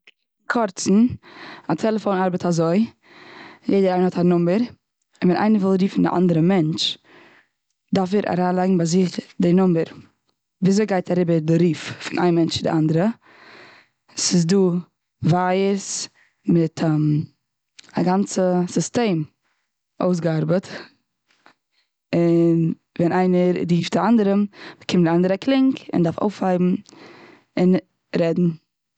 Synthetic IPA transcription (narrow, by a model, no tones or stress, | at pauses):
kʰɔɾt͡sn̩atʰɛlˠəfoʊnaɾbətazoɪ | jeɪdəɾaɪnhɔthanʊməɾ | ɪnvɛnʔa̰ɪnəvɪlˠɾiːfn̩dɪ̰ʔa̰ndəɾəmɛnt͡ʃ | daɾfɛɾʔa̰ɾaːlˠaɪɡŋ̩baɪzɪχdɪnʊməɾ | viːzoɪɡaɪtʰaɾɪbəɾdɪɾiːffɪnʔa̰ɪnmɛnt͡ʃɪdɪ̰ʔandəɾə | sɪs̬duː | vajəɾs | mɪtʰam | aɡant͡səsɪsteɪm | oʊsɡəaɾbət | ɪn | vɛnaɪnəɾɾiːfdɪandəɾəmkʰɪmdɪandəɾəklˠɪŋkɪ̰ndafo̰ʊfhaɪbm̩ | ɪn | ɾɛdn̩